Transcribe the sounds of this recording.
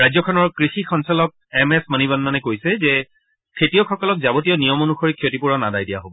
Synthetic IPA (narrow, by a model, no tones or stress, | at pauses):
ɹajzɔkʰɔnɔɹkɹixixɔnsɔlɔk̚ɛmɛsmanibanmanɛkojsɛzɛ | kʰetijɔxɔkɔlɔk̚zabotijɔnijɔmonuxoɹikʰijotipuɹɔnadajdijaɦobɔ